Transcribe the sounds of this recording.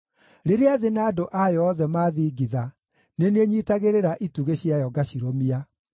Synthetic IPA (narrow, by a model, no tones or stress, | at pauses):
ɾeɾeaðenaːdoʔajɔðɛmaðiːɡiða | neneɲiːtaɣeɾeɾaʔituɣeɕjajɔɡaɕiɾomia